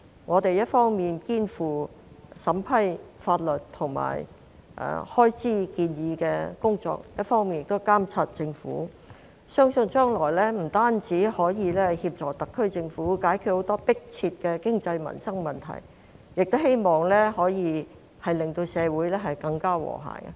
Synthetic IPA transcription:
ŋɔː˨˧t̪e˨jɐ˥t̚fɔː˥ŋmiː˨˩nkiː˥nfuː˨˩ | sɐ˨˥mpʰɐ˥jfaː˧t̚lɵ˨t̚t̪ʰʊ˨˩ŋma̰ː˨˩j | ʔɛ̰˨˩hɔː˥jt͡siː˥kiː˧njiː˨˧kɛː˧kʊ˥ŋt͡sɔ̰ː˧k̚jɐ˥t̚fɔː˥ŋmiː˨njɪ˨kt̪o˥wkaː˥mt͡sʰaː˧t̚t͡sɪ˧ŋfṵː˨˥ | sœː˥ŋsɵ˧nt͡ʃœː˥ŋlɔː˨˩jlɛː˥m̩˨˩t̪aː˥nt͡siː˨˥hɔː˨˥jiː˨˧lɛː˥hiː˧p̚t͡ʃɔː˨˩kt̪ɐ˨kʰːɵ˥ɥt͡sɪ˧ŋfuː˨˥kaː˨˥jkʰy˨˧t̚ho˨˥wt̪ɔː˥pɪ˥k̚t͡sʰiː˧t̚kɛː˧kɪ˥ŋt͡sɐ˧jmɐ̰˨˩nsɐ˥ŋmɐ˨nt̪ʰɐ̰˨˩j | jɪ˨k̚t̪he˥jmɔː˨˩ŋlɛː˥hɔː˨˥jiː˨˧ | hɐ˨jlɪ˨ŋt̪o˧wsɛː˨˧wuː˨˥jlɛː˥ɦɐ˨jkɐ˧ŋkaː˥wɔ̰ː˨˩ɦa̰ː˨˩jɐ̰˧

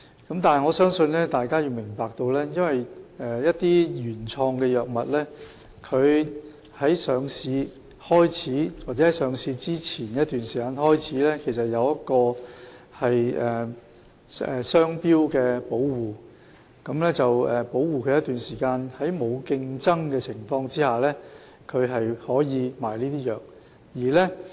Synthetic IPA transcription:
kɐ˨˥mt̪aː˨nɐ˨˩ŋɔ˨˧sœː˥ŋsɵ˧nlɛː˥t̪aː˨jkaː˥jiː˧wmɪ˨˩ŋpaː˨k̚t̪o˧wlɛː˥jɐ˥nwɐ˨jɛː˨˩jɐ˥tt̪iː˥jyː˨˩nt͡sʰɔː˧ŋkɛː˧jœː˨k̚mɐ˨t̚lɛː˥ | kʰɵ˨˧ɥ | hɐ˨˥jsœː˨˧ŋsiː˨˧ | hɔː˥jt͡sʰiː˨˥waː˨t͡sɛ˨˥hɐ˨˥jsœː˨˧ŋsiː˧t͡siː˥t͡sʰiː˨˩nkɛ˧˦˥t̪yː˨˩nsiː˨˩kaː˧nhɔː˥jt͡sʰiː˨˥lɛː˥kʰe˨˩js̬ɐ˨t̚jɐ˨˧wjɐ˥t̚kɔː˧ | hɐ˨jʔɛː˨ | ɛ˨˩sœː˥ŋpiː˥wkɛː˧po˨˥wwuː˨˩ | kɐ˨˥mlɛː˥t͡sɐ˨wɛ˨po˨˥wwuː˨kʰɵ˨˧jɐ˥t̪yː˨nsiː˨˩kaː˧nhɐ˨˥jmo˨˧wkɪ˧ŋt͡sɐ˥ŋkɛː˧t͡sʰɪ˨˩ŋfɔː˧ŋt͡siː˥haː˨˩lɛː˥ | kʰɵ˨˧ɥɦɐ˨jhɔː˨˥jiː˨˧maː˨˩jliː˥t̪iː˥jœː˨k̚ | jiː˨˩lɛː˥

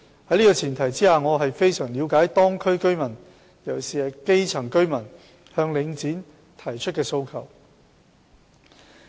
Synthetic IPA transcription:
hɐ˨˥jliː˥kɔː˧t͡sʰiː˨˩nt̪ʰɐ˨˩jt͡siː˥aː˧ŋɔː˨˧ɦɐ˨jfe˥jsœː˨˩ŋliː˨˧wkaː˨˥jt̪ɔː˥ŋkʰɵ˥ɥkɵ˥ɥmɐ˨˩n | jɐ˨˩wsiː˨hɐ˨ke˥jt͡sʰɐ˨˩ŋkɵ˥ɥmɐ˨˩n | hœː˧ŋlɪ˨˧ŋt͡siː˨˥n | t̪ʰɐ˨˩jt͡ʃʰɵ˥t̚kɛː˧so˧wkʰɐ˨˩w

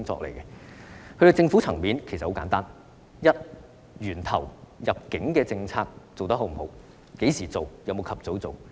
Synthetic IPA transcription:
ŋt͡sɔ̰ː˧k̚lḛ˨˩jkɛ˧kʰɵ˧ɾo˨˧˩t͡sɪ˧ŋfuː˨˥t͡sʰɐ˨˩ŋmiː˨˥nkʰe˨˩sɐ˨ho˨˥wkaː˨˧nt̪aː˥n | jɐ˥t̚ | jyː˨˩nt̪ʰɐ˨˩wjɐ˨p̚kɪ˨˥ŋkɛː˧t͡sɪ˧ŋt͡sʰaː˧k̚t͡so˨wt̪ɐ˥ɦo˨˥wm̩˨˩ho̰˨˥w | ke˨˥jsiː˨˩t͡so˨wjɐ˨˧wmo˨˧wkʰɐ˨p̚t͡so˨˥wt͡so˨w

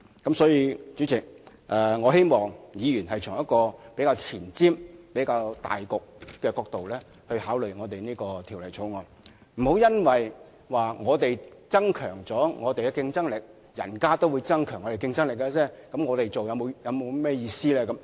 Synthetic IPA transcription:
kɐ˨˥msɔː˨˥jiː˧t͡ʃy˨˥t͡sɪ˨˩k̚ | ʔɛː˨˧ŋɔː˨˧ɦe˥jmɔː˨˩ŋjiː˨˧jyː˨˩nɦɐ˨jt͡sʰʊ˨˩ŋjɐ˥t̚kɔː˧pe˨˥kaː˧wt͡sʰiː˨˩nt͡siː˥mpe˨˥jkaː˧wt̪a̰ː˨jkʊ˨k̚ːɛː˧kɔː˧k̚t̪o˨wlɛː˥ | hɵ˧ɥhaː˨˥wlɵ˨ɥŋɔː˨˧t̪e˨jniː˥kɔː˧t̪ʰi˨˩wlɐ˨˩jt͡sʰo˨˥wŋɔː˨˧ | m̩˨˩ho˨˥wjɐ˥nwɐ˨˩j | waː˨˩ŋɔː˨˧t̪e˨jt͡sɐ˥ŋkʰœː˨˩ŋt͡sɔː˨˥ŋɔː˨˧t̪e˨jkɛ˧kɪ˧ŋt͡sɐ˥ŋlɪ˨k̚ | jɐ̰˨˩nkaː˥t̪o˥wu˨˧jt͡sɐ˥ŋkʰœ˨˩ŋɔ˨˧te˨˩kɪ˧ŋt͡sɐ˥ŋlɪ˨k̬̚ːɛ˧t͡sɛː˥kɐ˨˥mŋɔː˨˧t̪e˨jt͡so˨wjɐ˨˧wmo˨˧wjɐ˨˧wmo˨˧wmɛː˥˧jiː˧siː˥lɛː˥kɐ˨˥m

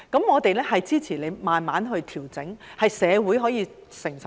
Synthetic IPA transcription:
kɐ˨˥mŋɔː˨˧t̪e˨jlɛː˥hɐ˨jt͡siː˥t͡sʰiː˨˩le˨˧jmaː˨nmaː˨˥nɦɵ˧ɥt̪ʰiː˨˩wt͡sɪ˨˥ŋhɐ˨jsɛː˨˧wuː˨˥jɦɔː˨˥jiː˨˧ | sɪ˨˩ŋsɐ˨

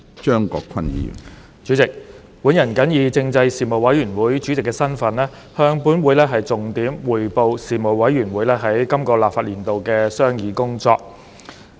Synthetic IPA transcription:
t͡ʃœː˥ŋkɔ̰ː˧kʰɐ˥njḭː˨m | t͡ʃyː˨˥t͡sɪ˨k̚ | wuː˨˥njɐ˨˩nkɐ˨˥njiː˨˧t͡sɪ˧ŋt͡sɐ˧jsiː˨mo˨wɐ˨˥jɥyː˨˩nwuː˨˥jt͡ʃyː˨˥t͡sɪ˨kːɛː˧sɐ˥nfɐ˨˥nlɛː˥ | hœː˧ŋpuː˨˥nwuː˨˧˥jlɛː˥ɦɐ˨jt͡sʊ˨ŋt̪iː˨˥mwuː˨˩jpo˨˧wsiː˨mo˨˩wwɐ˨˥jɥyː˨˩nwuː˨˥jlɛː˥ɦɐ˨˥jkɐ˥mkɔː˧laː˨pfaː˧t̚liː˨˩nt̪o˨wkɛː˧sœː˥ŋjiː˨˧kʊ˥ŋt͡sɔ̰ː˧k̚

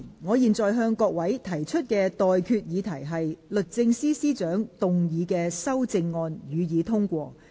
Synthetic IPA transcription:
ŋɔː˨˧jiː˨nt͡sɔː˨jɦœː˧ŋkɔː˧k̚wɐ˨˥jt̪ʰɐ˨˩jt͡ʃʰɵ˥t̚kɛː˧t̪ɔː˨jkʰyː˧t̚jiː˨˧t̪ʰɐ˨˩jɦɐ˨jlɵ˨t̚t͡sɪ˧ŋsiː˥siː˥t͡ʃœː˨˥ŋt̪ʊ˨ŋjiː˨˧kɛː˧sɐ˥wt͡sɪ˧ŋːɔː˧njyː˨˧jiː˨˧t̪ʰʊ˥ŋkʷɔː˧

